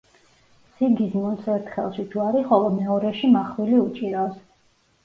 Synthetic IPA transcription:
siɡizmunsɛɾt̪ʰχɛlˠʃit̪ʰuaɾiχɔlˠɔmɛɔɾɛʃimaχwiliut͡ʃʼiɾas

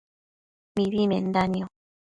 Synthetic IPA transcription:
miβimen̩d̪aniɔ

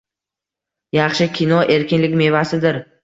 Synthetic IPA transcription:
jɑχʃɪkʲʰinɒʔe̞ɾkʲɪnlɪkʲme̞vasɪd̪ɪɾ

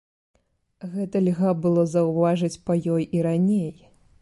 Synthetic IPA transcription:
ɣɛt̪ɐlʲɣabɨlˠɔzɐwvaʐɨt͡sʲpɐjɔjʔiɾanʲej

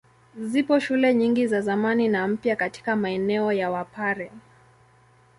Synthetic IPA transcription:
zipɔʃulɛɲiŋɡizazamaninam̩pjakati̥kamaɛnɛɔjawapaɾɛ

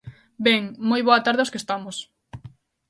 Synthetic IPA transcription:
bɛŋmojβoɐt̪aɾðɪoskest̪amos

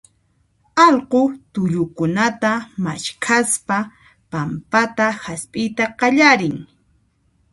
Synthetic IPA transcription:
ɑlqot̪ʊʎʊkʊnat̪ama̰ʃkʰaspa | pampat̪ahaspʼɪjt̪aqɑʎaɾɪŋ

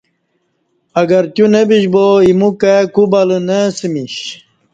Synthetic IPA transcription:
ɐɡɐɾt̪junebiɕboimukakubɐlənesimiɕ

